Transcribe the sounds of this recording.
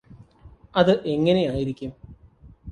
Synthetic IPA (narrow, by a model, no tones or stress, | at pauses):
ɐðɨʔe̞ŋːɐne̞jaːjiɾikʲːum